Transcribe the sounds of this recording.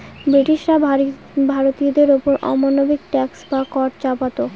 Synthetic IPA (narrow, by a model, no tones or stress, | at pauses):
bɾiʈiʃɾa | bʱaɾot̪iod̪eɾopoɾʔɔ̰monobiɡ̚ʈɛksbakɔʈ̚t͡ɕapat̪o